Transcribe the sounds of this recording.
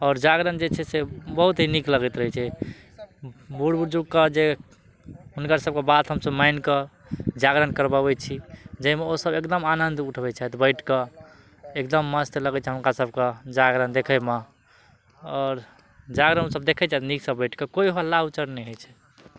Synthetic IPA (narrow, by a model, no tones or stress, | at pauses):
ɔːɾd͡ʒaɡɾənd͡ʒet͡ʃʰɛsebəɦut̪ɦinikləɡɛt̪ɾəɦɛt͡ʃʰɛ | buɽbuɾd͡ʒuɡkəd͡ʒe | ɦunkəɾsəb̚kebat̪ɦəmsəbmankə | d͡ʒaɡɾənkəɾbaɛt͡ʃʰid͡ʒəimeosəbekd̪əmanənd̪uʈʰbɛt͡ʃaɦɛt̪bəɪʈʰkə | ekd̪əmːəst̪ləɡɛt͡ʃʰɛɦumkasəbked͡ʒaɡɾənd̪ekʰɛme | ɔːɾ | d͡ʒaɡɾənsəb̚d̪ekʰɛt͡ʃaɛt̪niksəbəjʈʰkəkoiɦalːaut͡ʃəɾnɛɦojt͡ʃʰɛ̥